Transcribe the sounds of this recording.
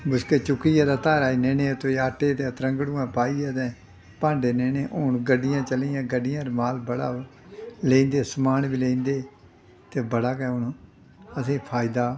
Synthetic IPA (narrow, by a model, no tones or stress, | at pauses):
bʊskeːt͡ʃʊkijaːd̪aːt̪aːɾaːiːneːneːt̪oːaːʈeːt̪et̪ɾəŋɡɽuːãːpaːiːɛːt̪ɛ̃ː | pãːɳɖeːneːneːʔoːɳɡəɖɪjãːt͡ʃəliːãːɡəɖɪjãːɾmaːlbəɽa̰ː | leĩːnd̪eːsʊmaːnbiːleĩːnd̪eː | t̪eːbəɽaːkɛːʊnː | əsʰeːpʰaːɪd̪aː